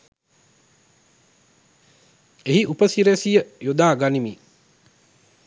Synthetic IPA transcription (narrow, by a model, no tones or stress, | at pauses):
eɦiʔupəsiɾesijəjod̪aːɡanimi